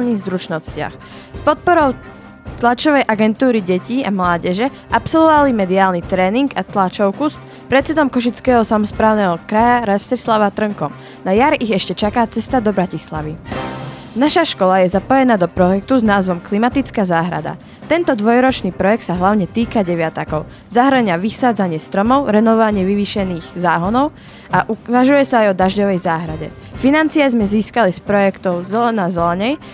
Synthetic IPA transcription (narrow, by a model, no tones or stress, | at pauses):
lniɣzɾut͡ʃnɔscɪa̰x | spɔt̪̚pɔɾɔʊ | t̪lat͡ʃɔʋɛjʔaɡɛnt̪uːɾiɟɛciːamlaːɟɛʒɛ | ʔapsɔlʋɔʋalimɛd̪iaːlnit̪ɾɛːniŋɡat̪lat͡ʃɔʊkus | pɾɛt̪t͡sɛd̪ɔmkɔʃ̬it͡skɛːɦɔsamɔspɾaːʊnɛɦɔkɾajaɾascɛslaʋat̪r̩ŋkɔm | najaɾiɣɛʃcɛt͡ʃakaːt͡sɛst̪ad̪ɔbɾacisla̰ʋi | naʃaʃkɔlajɛzapɔjɛnaːd̪ɔpɾɔjɛk̚t̪uznaːzʋɔmklimat̪it͡skaːzaːɦɾa̰d̪a̰ | t̪ɛnt̪ɔd̪ʋɔjɾɔt͡ʃniːpɾɔjɛk̚t̪saɦlaʊɲɛt̪iːkaɟɛʋɪat̪akɔʊ | zaɦɾəɲaʋisaːd͡zaɲɪɛst̪ɾɔmɔʊɾɛnɔʋʋaɲɪɛʋiʋiːʃɛniːɣzaːɦɔnɔʊ | aʔuʋaʒujɛsaːjɔd̪aʒɟɔʋɛjzaːɦɾaɟɛ̰ | finant͡sijazmɛziːskalispɾɔjɛkt̪ɔʊzɛlɛnazɛlɛɲɛj